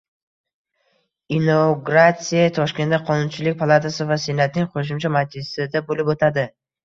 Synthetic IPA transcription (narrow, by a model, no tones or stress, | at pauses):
inoɡɾat̪sijat̪ʰɒʃkʲe̞nd̪aqʰɒnʊnt͡ʃʰɪlɪk̚ʲpʰalˠat̪ʰasɪvasenat̪̚nɪŋqʰoʃ̬ʊmt͡ʃʰamad͡ʒɪsɪd̪abolɪpot̪ʰad̪ɪ